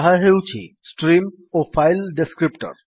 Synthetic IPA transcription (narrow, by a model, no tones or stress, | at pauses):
ɦaɦewt͡ɕʰḭsʈɾim | ofajlɖeskɾipʈa̰ɾ